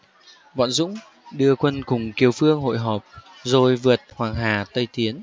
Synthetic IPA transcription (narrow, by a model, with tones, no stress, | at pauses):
vɔ̰˧˨nzʊ̰˧˥ŋ͡m | ɗɨ˧əkwə˧nkʊ˨˩ŋ͡mki˨˩əwfɨ˧əŋɦo̰˧˨jɦɔː˨˩p̚ | zo˨˩jvɨ˨˩ət̚hwaː˨˩ŋɦaː˨˩t̪ə˧jt̪i˨˦ən